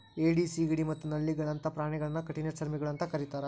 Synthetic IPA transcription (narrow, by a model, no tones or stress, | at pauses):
eːɖisiɡiɽimɐt̪ːunɐlːiɡɐɭɐnt̪ɐpɾaːɳɛɡɐɭɐnːɐkɐʈinet͡ʃɐɾmiɡɐɭɐnt̪ɐkɐɾit̪aːɾe